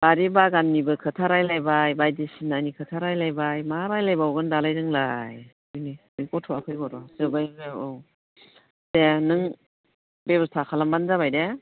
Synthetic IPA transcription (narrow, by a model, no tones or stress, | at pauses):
b̥aɾibaɡanːibɯkʰɯtʰaɾajlajbajbajdisinanikʰɯtʰaɾajlajbajmaɾajlajbawɡɯndalajdɯŋlaj | ɯniɯlkɔtʰɔakʰɯjɡɔɾɔzɯbajɡeɔ | tenɯŋ | bebɯstʰakʰalambanzaβajde